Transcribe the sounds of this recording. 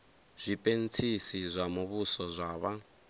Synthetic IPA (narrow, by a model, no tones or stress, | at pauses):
z̥ʷipʼent͡sʰisizʷamuβusɔzʷaːβa